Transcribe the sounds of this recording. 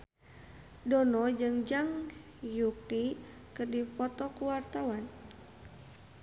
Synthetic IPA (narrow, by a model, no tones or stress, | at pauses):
dɔnɔd͡ʒɨŋd͡ʒaŋ | juki | kɨrdipɔt̪ɔkuwart̪awan